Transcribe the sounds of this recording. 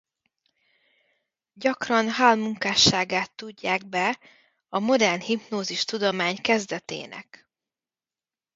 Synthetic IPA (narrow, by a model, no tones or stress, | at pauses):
ɟɒkrɒnɦaːlmuŋkaːʃːaːɡaːt̪ːuɟːaːɡ̚bɛ | ɒmo̞d̪ɛrnhipnoːziʃt̪ud̪o̞maːɲkɛzd̪ɛt̪ḛːnʔɛ̰k